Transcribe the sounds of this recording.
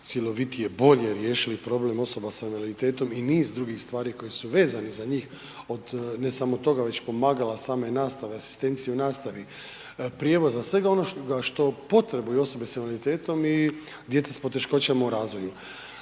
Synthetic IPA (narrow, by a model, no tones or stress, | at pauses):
t̪sjilˠo̞ʋit̪ijebo̞ʎeɾje̞ːʃilipɾo̞ble̞mo̞so̞basamalit̪e̞ːt̪o̞miniːzd̪ɾuɡixst̪ʋaːɾiko̞jisuʋe̞ːzanizaɲiːx | o̞d̪ne̞samo̞t̪o̞ɡaʋe̞t͡ɕpo̞maːɡalasaːme̞naːst̪aʋeasi̥st̪e̞nt̪sijeunaːst̪aʋi | pɾjeʋo̞zasʋe̞ɡao̞no̞ɡaʃt̪o̞po̞t̪ɾeboio̞so̞besemllit̪eːt̪o̞mi | d̪je̞t̪sespo̞t̪e̞ʃko̞t͡ɕamauɾaːzʋo̞ju